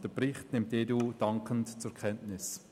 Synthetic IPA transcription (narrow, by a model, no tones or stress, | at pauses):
d̥əbʁɪχtnɪmtːeːdud̥ɑŋkʰəntt͡sʊkʰɛntnɪs